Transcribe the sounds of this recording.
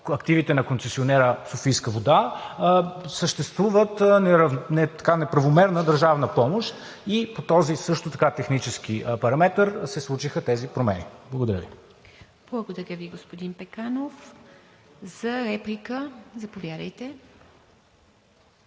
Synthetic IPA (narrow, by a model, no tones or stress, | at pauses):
ɐkt̪ivit̪ɛnɐkonsɛsionɛɾəsofijskəvod̪a | səʃt̪ɛst̪vuvət̪nɛɾvnɛt̪ɐ̥kanɛpɾɐvomɛɾnəd̪əɾʒavnəpɔmoʃt̪ | ipot̪ɔzisɤʃt̪ot̪ɐkat̪ɛxnit͡ʃɛsk̟ipɐɾɐmɛt̪əɾsɛslˠut͡ʃixət̪ɛzipɾomɛniblˠəɡod̪ɐɾʲəvi | b̥lˠɐɡod̪ɐɾʲəviɡospod̪inpɛkanof | z̥ɐɾɛplʲikəzɐpovʲjad̪əjt̪ɛ